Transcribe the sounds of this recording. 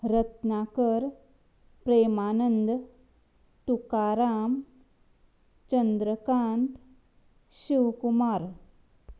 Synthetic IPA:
ɾɐt̪naːkəɾ | pɾeːmaːnənd̪ | t̪ukaːɾaːm | t͡ʃɐnd̪ɾəkaːnt̪ | ɕiwkumaːɾ

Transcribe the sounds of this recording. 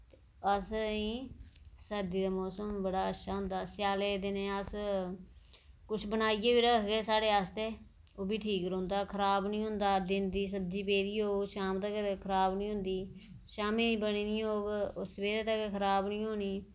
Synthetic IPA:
e | əsĩːsəd̪iːd̪aːmɔːsəmbəɽaːətːʃʰaːɦʊ̃nd̪aːsjaːleːd̪ɪnẽːəs | kʊt͡ʃʰbənaːiːeːbiːɾəkʰɡeːsaːɽeːaːst̪eː | oːbʱiːʈʰiːkɾõːnd̪aːkʰəɾaːbnĩːɦʊ̃nd̪aːd̪ɪnd̪iːs̬ətd͡ʒiːpeːɾiːɦoːʃaːmt̪əkkʰəɾaːbnĩːɦʊ̃nd̪iː | ʃaːmiːibəniːnĩːɦoːɡʊsʋeːɾeːt̪əkekʰəɾaːbnĩːɦoːniː

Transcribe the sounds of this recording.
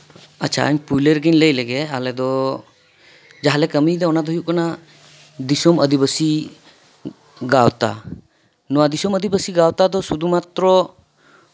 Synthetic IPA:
a̰t͡ʃʰa̰ə̰ɲpujleɾɡiɲləjlɛɡɛalɛd̪ɔ | d͡ʒaɦalɛkəmid̪ɛɔnad̪ɔɦijuʔkɔna | d̪isɔməd̪ibəsi | ɡawt̪a̰ | nɔwad̪isɔməd̪ibəsiɡawt̪ad̪ɔsud̪ʱumat̪ɾɔ

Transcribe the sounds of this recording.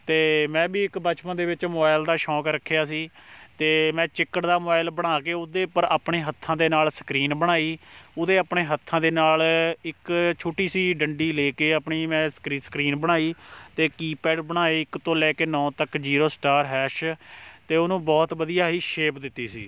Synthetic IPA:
t̪eːmɛ̃ːbiːɪkbət͡ʃpənd̪eːʋɪt͡ʃmoːbaːɪld̪aːʃɔːkɾəkʰːejaːsiːt̪eːmɛ̃ːt͡ʃɪkːəʈd̪aːmobaːɪlbəɽ̃aːkeːʊd̪eːpəɾaːpɳeːɦət̪ʰːãːd̪eːnaːlsə̥kɾiːnbəɽ̃aːiːʊd̪eːaːpɳeːɦət̪ʰːãːd̪eːnaːlɪkt͡ʃʰoːʈiːsiːɖəɳɖiːleːkeːaːpɳiːmɛ̃ːskɾisə̥kɾiːnbəɽ̃aːiːt̪eːkiːpɛːɖbəɽ̃aːeːɪkt̪õːlɛːkeːnɔ̃ːt̪əkd͡ʒiːɾoːsʈaːɾɦɛːʃt̪eːʊnũːbɔːt̪ʋəd̪ijaːɦiːʃeːpd̪ɪt̪ːiːsḭː

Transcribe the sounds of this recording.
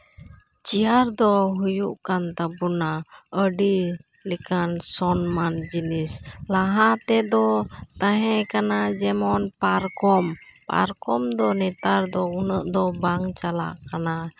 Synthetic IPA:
t͡ʃiaɾd̪ɔɦujṵʔkant̪abunaəɖi | likansɔnmand͡ʒinislaɦat̪ɛd̪ɔt̪aɦɛkanad͡ʒɛmɔnpaɾkɔmpa̰ɾkɔmd̪ɔnɛt̪aɾd̪ɔunəʔd̪ɔbaŋt͡ʃala̰ʔkana

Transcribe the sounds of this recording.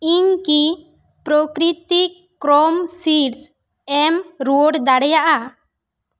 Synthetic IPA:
iɲki | pɾokɾit̪i | kɾɔmsiɾs | ɛmɾoɖd̪aɽɛjaʔa

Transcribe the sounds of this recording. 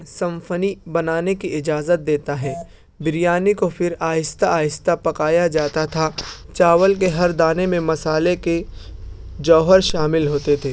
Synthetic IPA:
sɐ̃mfənibɐnaːnekiɪd͡ʒaːzət̪̚d̪eːt̪aɦɛː | bɪɾijaːnikofʰɪɾaːjɪst̪aaːjɪst̪apɐkaːjad͡ʒaːt̪at̪ʰat͡ʃaːʋəlk̬eɦɐɾd̪aːnemẽmɐsaːleke | d͡ʒɔːɦəɾʃaːmɪlɦoːt̪et̪ʰeː

